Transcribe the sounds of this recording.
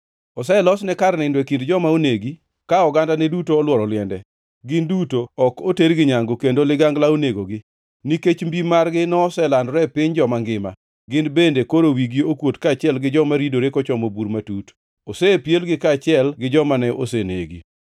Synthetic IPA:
ɔsɛlɔsnɛkaɾnɪndwekindd͡ʒɔmaoneɡi | kaɔɡandanɛdutoːlwɔɾɔlɪɛndɛ | ɡɪndutoɔkoteɾɡɪɲaŋɡokendolɪɡaŋɡlaoneɡoɡɪ | niket͡ʃmbimarɡɪnɔsɛlanɾɛpɪɲd͡ʒɔmaŋɡɪma̰ | ɡɪndbendekoɾowiɡiokwotkat͡ʃɪɛlɡɪd͡ʒɔmaɾidoɾekɔt͡ʃɔmobuɾmatut | osepjelɡɪkat͡ʃɪɛlɡɪd͡ʒɔmanɛʔo̰senḛɡḭ

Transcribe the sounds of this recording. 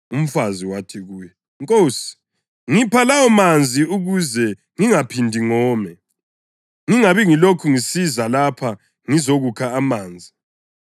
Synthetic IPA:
um̩faziwatʰiɣuːjɛ | ŋkʼoːsi̥ | ŋipʰalawɔmand͡zʱiuɣuzɛ | ŋiŋapʰindʱiŋɔːmɛ | ŋiŋaβiŋilokʰuŋisizalapʰa | ŋizoɣukʰaːmaːnd͡zʱi

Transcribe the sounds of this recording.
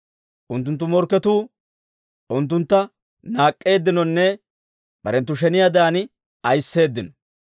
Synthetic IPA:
ʔʊnt̪ːʊnt̪̬ːʊmɔɾkːɛt̪uː | ʔʊnt̪̬ːʊnt̪ːɐ | naːkʼːe̞ːd̪ːɪnɔnːɛ | b̥ɐ̰ɾɛnt̪̬ːʊʃ̬ɛnɪjad̪ɐaːnɪ | ɐjsːe̞ːd̪ːɪnɔ̥

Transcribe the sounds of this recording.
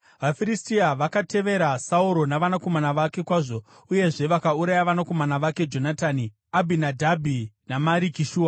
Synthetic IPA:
ʋafiɾistiaʋakate̞ʋe̞ɾasauɾo̞naʋanako̞manaʋake̞kwaːʐo̞ | uje̞ʐe̞ʋakauɾajaʋanako̞manaʋake̞d͡ʒo̞nataːni | abʱinadʱabʱinamaɾikiʃuːa

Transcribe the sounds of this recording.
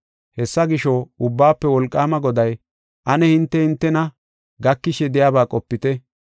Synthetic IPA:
hɛsːɐɡɪʃoʊbːaːpːɛwɔlkʼːaːmɐɡɔd̪ɐj | ʔɐnɛhɪnt̪ːɛhɪnt̪ːɛnɐ | ɡɐkːɪʃɛd̪ɪjaːbaːkʼɔpːɪt̪ɛ

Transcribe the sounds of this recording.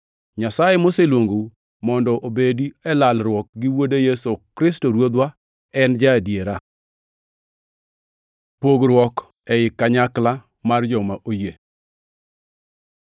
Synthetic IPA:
ɲasajemoselwoŋɡo | mɔndɔʔobediɛlalɾwɔk̚ɡɪwodejesokɾɪstoɾwod̪wa | ɛnd͡ʒadjeɾa | poɡɾwɔk | ɛɪkːaɲakla | mard͡ʒɔmaʔoje

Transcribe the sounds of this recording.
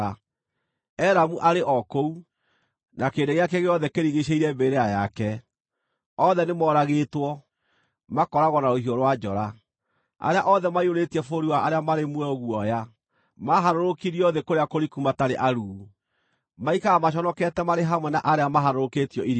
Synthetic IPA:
ɛɾamuʔaɾeʔɔkou | nakeːndeɣeakɛɣeɔðɛkeɾiɣeɕeiɾɛbeɾeajakɛ | ɔðɛnemɔɾaɣeːtwɔ | makɔɾaɣɔnaɾohiɔɾwad͡ʒɔɾa | a̰ɾeaʔɔðɛmaioɾetiɛfoɾiwaaɾeamaɾemwɛɔɣuɔja | maɦaɾoɾokiɾiɔðekoɾeakoɾikumataɾeʔaɾuː | maikaamaɕ̬ɔnɔkɛtɛmaɾeɦamwɛnaʔaɾeamaɦaɾoɾoketiɔʔiɾ

